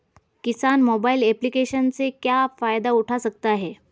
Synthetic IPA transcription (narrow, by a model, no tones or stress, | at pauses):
kisanmobaileplikeɕənt͡sekjafajd̪auʈʰasək̚t̪aɦe